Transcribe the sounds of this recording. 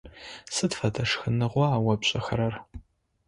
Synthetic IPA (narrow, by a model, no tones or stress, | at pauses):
sɨtfɐdʰɐʂxɨnɨʁʷɔaːwɐpɕʼɐxɐɾɐr